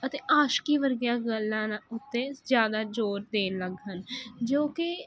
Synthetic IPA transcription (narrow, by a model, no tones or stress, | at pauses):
ət̪eːʔaːʃkiːʋəɾɡjãːɡəlːãːnʊt̪ːẽːzjaːd̪aːd͡ʒoːɾd̪eːnləɡɦənd͡ʒoːkɪ